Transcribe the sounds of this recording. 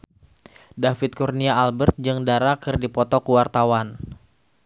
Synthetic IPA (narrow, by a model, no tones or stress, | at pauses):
dafɪt̪̚kurniaːlbərt̪̚d͡ʒɨŋdaɾakɨrdipɔt̪ɔkuwart̪awan